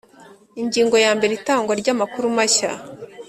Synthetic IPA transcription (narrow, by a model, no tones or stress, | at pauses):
iɲɟiːŋɡo̞jaːmbe̞ɾitaːŋɡwaɾɟamakuɾumaça̰